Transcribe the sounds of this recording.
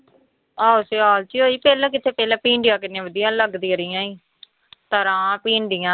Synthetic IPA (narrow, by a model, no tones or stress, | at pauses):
aːʊseːaːlt͡ʃiːoːiːpɛːlãːk̬ɪt̪ʰeːpɛːlãːpiːɳɖɪjãːkɪnẽːʋəd̪ɪjãːləɡd̪iːɾɪjãːiː | t̪əɾãːpiːɳɖɪjãː